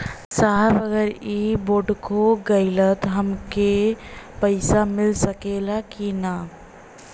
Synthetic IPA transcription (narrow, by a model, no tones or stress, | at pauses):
saɦbəɡəɾiboːɖkoɡəɪlət̪ɦəmkepəɪsamɪlsəkelakina